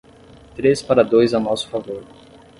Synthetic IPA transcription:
t̪ɾespaɾɐd̪ojzɐnɔsʊ̥favoɾ

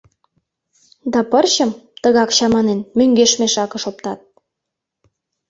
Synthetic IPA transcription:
d̪ɑpərɕə̆mt̪əɣɑkɕɑmɑnenmøŋɡeʃmeʃɑkə̆ʃop̚t̪ɑt̪̚

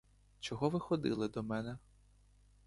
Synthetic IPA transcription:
t͡ʃɔɦɔʋɪxɔd̪ɪ̰lˠɪd̪ɔmɛnɛ

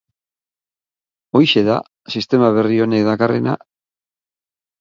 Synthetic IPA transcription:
o̞jʃe̞ða̰ | sist̪e̞maβ̞e̞rio̞ne̞kðakare̞na̰

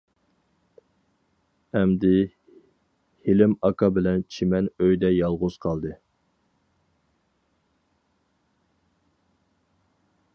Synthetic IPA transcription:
ɛmd̪ɪ | helɪmɑkʰɑbɪlɛnt͡ʃʰimɛnøjd̪ɛjɑlˠʁʊz̥qʰɑlˠd̪ɨ

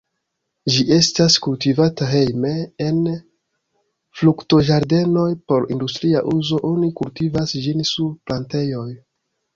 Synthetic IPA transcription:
d͡ʒiʔe̞staskultivataɦe̞jmeen | flukto̞ʒaɾde̞no̞jpo̞ɾḭndustɾiaʔuzo̞ʔo̞nikultivasd͡ʒinsuɾplante̞jo̞j

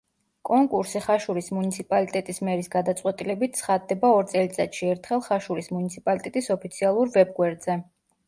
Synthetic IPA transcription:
kʼɔŋkʼuɾsiχaʃuɾismunit̪sʰipʼalit̪ʼɛt̪ʼismɛɾisɡad̪at̪sʼqʼwɛt̪ʼilɛbit̪̚ʰsʰχad̪ːɛbaɔɾt̪sʼɛlit̪sʼat̪ʃiɛɾt̪ʰχɛlˠχaʃuɾismunit̪sʰipʼalit̪ʼɛt̪ʼisɔpʰit̪sʰialˠuɾvɛb̚ɡwɛɾd̪z̥ɛ

